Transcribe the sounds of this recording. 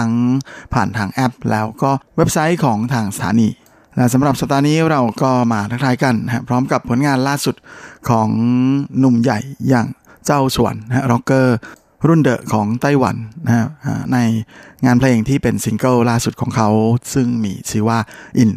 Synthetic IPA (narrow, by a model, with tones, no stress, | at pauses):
a˦˥ŋpʰaː˨˩nt̪ʰaː˧ŋʔɛ˦˥p̚lɛ̰ː˦˥wkɔː˥˩we˦˥p̚sa˦˥jkʰɔː˩˦ŋt̪ʰaː˧ŋsḁ˧t̪ʰa̰ː˨˦niː˧ | lɛ˦˥ʔsa˩˦mɾa˨˩p̚sa˨˩p̚d̪aː˧niː˦˥ɾa˧wkɔː˥˩maː˧t̪ʰa˥k̚t̪ʰaː˦˧˥jka˧nːa˧˥ha˦˥pʰɾɔː˦˥mka˨˩pʰːu˩˦nŋaː˧nlaː˥˩su˨˩t̪̚kʰɔː˩˦ŋnu˨˩mja̰˨˩jːaː˨˩ŋ | t͡ɕa˥˩wsu˨˩˦ənː˧ha˦˧˥ɾɔ˦˥kːɤː˥˩ | ɾu˥˩ndɤ̰˨˩ʔkʰɔː˩˦ŋt̪a˥˩jwa̰˩˦nːa˧a˦˥ʔa̰ː˧˩na˧jŋaː˧npʰleː˧ŋt̪ʰiː˥˩pe˧nsi˧ŋkɤː˥˩laː˥˩su˨˩kʰɔː˩˦ŋkʰa˦˥wsɯ˥˩ŋmiː˧t͡ɕʰiː˧waː˥˩ʔi˨˧˩n